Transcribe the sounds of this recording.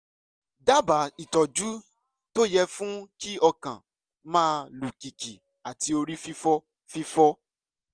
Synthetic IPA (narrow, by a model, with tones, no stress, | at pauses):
da˦ba˨˦i˨tɔ˨d͡ʒu˦ | to˦jɛ˧fũ˦ki˦ɔ˧kã̰˨ | mãː˦lu˨ki˨ki˨ | a˨ti˧o˧ɾi˦fi˦fɔ˦ | fi˦fɔ˦